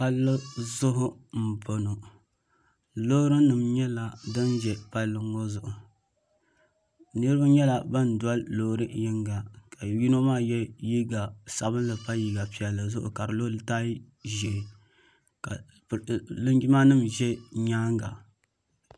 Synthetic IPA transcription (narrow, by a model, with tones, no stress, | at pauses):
pa˦lːɨ˦zʊ˦ɦʊ˦m̩˨po˨no˨ | lo˦ɾɨ˦nɨ˨mɲɛ˦la˨dɨ˦nd͡ʒɛ˨pa˦lːɨ˦ŋo˦zʊ˨ʔʊ˨ | nɨ˦ɾɨ˦ba˦ɲɛ˦la˨ba˦n˨da˦llo˦ɾɨ˦jɪ˦ŋɡa˨ka˨ji˦no˦maː˦jɛ˦ji˦ɡa˨sa˨bɨ˦nlɨ˨pa˦ji˨ɡa˨pi˨ɛ˨lːɨ˨zʊ˦ʔʊ̰˨ka˨ɾɨ˨lo˦ltaː˦ | ʒi˨ʔɪ˨ | ka˨ | lɨ˦ŋɡi˦ma˦nɨ˦mʒɛ˦ɲaː˦ŋɡa˨